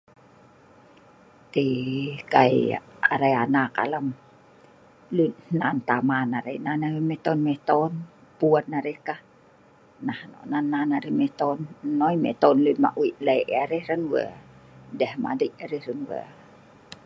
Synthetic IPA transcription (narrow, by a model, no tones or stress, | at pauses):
t̪ikaia̰ɾajanaka̰ləm | lunhnant̪amanaɾainanawmɛt̪ɔnmɛt̪ɔn | puənnaɾehkah | nahno̰ʔnanːanaɾimɛt̪ɔnnoimɛ̰t̪ɔnlunma̰ʔwiʔlaiʔaɾehɾənwə̰dɛhma̰diʔaɾɛhɾənwə̰